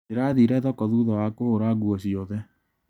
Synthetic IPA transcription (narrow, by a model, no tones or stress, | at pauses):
eɾaðiɾɛðɔkɔðuðɔwakohoɾaɡwɔɕiɔðɛ